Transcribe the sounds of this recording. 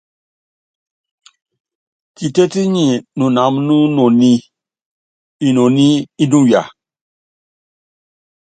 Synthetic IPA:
ki˨te˦ti˦ɲĩ˨nũ˨na˨˦mnu˦nõ˨ni˦ | i˨no˨ni˦i˦nũ˦ja̰˨

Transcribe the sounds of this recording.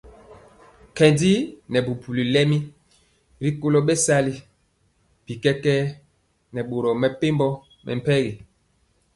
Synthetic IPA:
kɛ˨ndi˦nɛ˨bu˨pu˨li˨lɛ˦mi˦ | ɾi˦ko˦lɔ˦ɓɛ˦sa˦li˦ | b̥i˨kɛ˦kɛ˦ | nɛ˨ɓo˨ɾɔ˨mɛ˨pe˦mbɔ˦ | mʔɛ̰˨m̩˨pɛ˦ɣi˨

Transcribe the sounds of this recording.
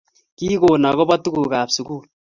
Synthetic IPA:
ki˦koː˨na˨kɔ˦ba˦tu˦ku˨kaː˨psu˨kuː˦˨l

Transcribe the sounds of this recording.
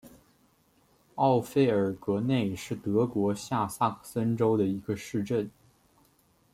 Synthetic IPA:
ɑ˥˧ʊfe˥˩ɪə˞˨˩kɤ˧˥ne˥˧ɪʂɻ̩˥˩t̪ɤ˧˥kwɔ˧˥ɕja˥˧sa˥˩kʰsə˥nʈ͡ʂo˥ʊd̪ə˨i˧˥ɡə˧ʂɻ̩˥˧ʈ͡ʂə˥˩n

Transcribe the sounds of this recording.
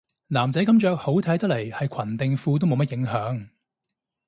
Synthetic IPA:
naː˨˩mt͡sɛ˨˥kɐ˥mt͡ʃœː˨˧k̚ho˨˥wt̪ʰɐ˨˥jt̪ɐ˥le˨˩jhɐ˨jkʰɐ˨˩nt̪ɪ˨ŋfuː˧t̪o˥wmo˨˧˥mɐ˥t̚jɪ˨˥ŋɦœː˨˥ŋ

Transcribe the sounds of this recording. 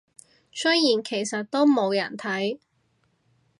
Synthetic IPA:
sɵ˥jjiː˨˩nkʰe˨˩jsɐ˨t̚t̪o˥wmo˨˧wjɐ˨˩nt̪ʰɐ˨˥j

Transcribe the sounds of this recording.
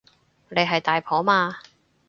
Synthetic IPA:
ne˨˧jɦɐ˨jt̪aː˨jpʰɔː˨˥maː˧

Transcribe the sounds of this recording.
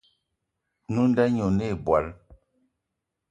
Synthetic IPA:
nu˦n˦dɛ˦ɲo˨ne˦˨bwa̰˨˦l

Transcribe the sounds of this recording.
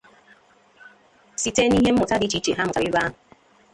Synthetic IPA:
si˦te˦ni˦ɦe˦m̩˦mu˨ta˦di˦t͡ʃi˦t͡ʃe˨ɦa˦m̩˨a˨bi˦ba˦˨

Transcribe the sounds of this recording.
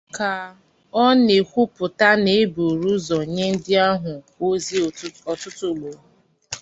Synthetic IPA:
ka˨ | ɔ˦ne˨kʷu˦pʊ˨ta˦ne˨˦bu˨ɾu˦zɔ˨ɲe˦n̩˦dɪ˦a˦ɦʊ˨ko˦zi˦ɔ˨tʊ˦tʊ˦˨lo˨˦

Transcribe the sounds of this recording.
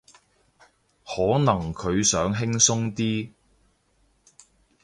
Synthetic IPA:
hɔː˨˥nɐ˨˩ŋkʰɵ˨˧ɥsœː˨˥ŋɦɪ˥ŋsʊ˥ŋt̪iː˥

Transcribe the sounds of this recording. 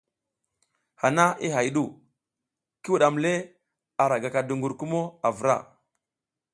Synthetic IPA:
ha˨na˦i˦ɦa˨jɗu˦˨ | ki˦wu˨ɗa˨mle˦ | a˨ɾa˨ɡa˨ka˨du˨ŋɡu˨ɾku˦mo˦a˨və˨ɾa̰˦˨

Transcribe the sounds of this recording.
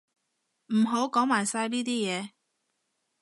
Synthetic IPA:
m̩˨˩ɦo˨˥wkɔː˨˥ŋmaː˨˩jsaː˧jliː˥t̪iː˥jɛː˨˧

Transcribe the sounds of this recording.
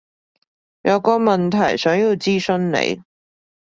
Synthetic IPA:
jɐ˨˧wkɔː˧mɐ˨nt̪ʰɐ˨˩jsœː˨˥ŋjiː˧wt͡siː˥sɵ˥nnḛ˨˧j

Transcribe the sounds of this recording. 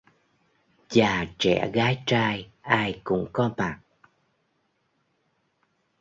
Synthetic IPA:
t͡ɕaː˨˩t͡ɕɛ̰˧˩ɣaː˨˦jt͡ɕaː˧jʔaː˧jkʊ̰˧˥ŋ͡mkɔ˨˦maː˨˩t̚

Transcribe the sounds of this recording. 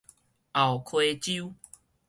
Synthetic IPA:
ʔa˨wkʰwe˧t͡ɕu˦

